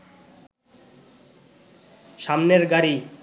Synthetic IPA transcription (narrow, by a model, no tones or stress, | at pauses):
ʃamneɾɡaɾi